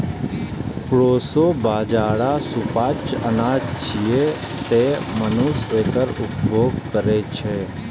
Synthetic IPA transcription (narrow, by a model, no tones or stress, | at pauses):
kɽoːsoːbaːd͡ʒaːɽaːsupaːt͡ʃənaːd͡ʒt͡ʃʰijeː | t̪eːmənuːsʋeːkəɾʊpbʱoːɡkəɾeːt͡ʃʰeː